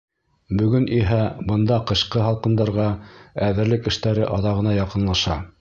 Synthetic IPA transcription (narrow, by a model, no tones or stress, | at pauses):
bɵ̆ɡɵnʔiɦæbɤ̆nd̪ɑqɤ̆ɕqɤɦɑlˠqɤ̆nd̪ɑɾʁɑæðɘ̆ɾlɘkɘ̆ʃt̪æɾɘʔɑðɑʁɤ̆nɑjɑqɤ̆nlˠɑʃɑ